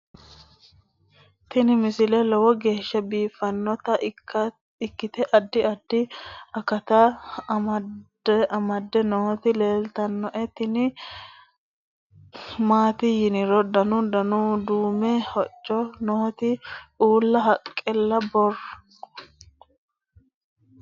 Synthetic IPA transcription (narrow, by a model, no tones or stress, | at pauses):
t̪ɪnɪmɪsɪlɛlɔwɔɡe̞ːʃːɐbiːfɐnːɔt̪ɐ | ɪkːɪt̪ɛʔɐd̪ːɪɐd̪ɪɐkɐt̪ɐ | ʔɐmɐd̪ːɛnɔɔt̪ɪleːlt̪ɐnːɔʔɛt̪ːɪnɪ | maːt̪ɪjɪnɪɾɔd̪ɐnʊd̪ɐnud̪uːmɛhɔt͡ʃʼːɔnɔɔt̪ɪuːlːɐɦɐkʼːɛlːɐbɔr